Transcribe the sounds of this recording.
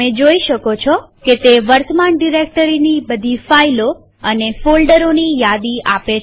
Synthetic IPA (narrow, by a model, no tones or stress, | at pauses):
ẽd͡ʒoiʃəkot͡ʃʰɔket̪eʋəɾt̪ʰəmaɳɖiɾek̚ʈəɾinibəd̪ʱifailo | ənefolɖəɾonijad̪iape